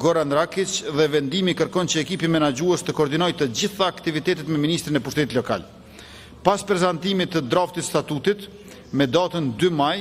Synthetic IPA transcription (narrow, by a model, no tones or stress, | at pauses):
ɡɔɾand̪ɾakit͡ʃðɛvɛnd̪imikəɾkɔnt͡ɕəɛkipimɛnad͡ʑuɛst̪əkɔːɾd̪inɔjt̪əd͡ʑiθaːkt̪ivit̪ɛt̪ɛt̪mɛminist̪ɾinɛpuʃt̪ɛt̪it̪lɔka̰l | paspɾɛzant̪imit̪ːəd̪ɾaft̪ist̪at̪ut̪it̪ | mɛd̪at̪ənd̪ymaj